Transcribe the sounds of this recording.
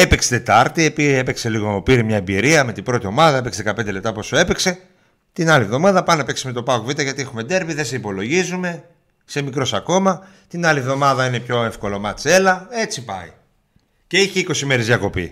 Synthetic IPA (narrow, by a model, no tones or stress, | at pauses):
e̞pekse̥t̪e̞t̪ɐɾt̪iepie̞pekse̞liɣoopiɾimɲɐebiɾiɐme̞t̪ibɾo̞t̪io̞mɐðɐe̞peksðekɐpend̪ele̞p̚t̪ɐpo̞sue̞pekse̞ | t̪inɐlivðo̞mɐðɐpɐnopekseme̞t̪o̞pɐokuvit̪eʝɐt̪ie̞xume̞d̪e̞ɾviðe̞se̞ipo̞lo̞ʝizume̞ | se̞mikɾo̞sɐko̞mɐ | t̪inɐlivðo̞mɐðɐine̞pço̞e̞fko̞lo̞mɐt͡se̞lɐe̞t͡sipɐ̰i | ce̞içeiko̞sime̞ɾezðjɐko̞pḭ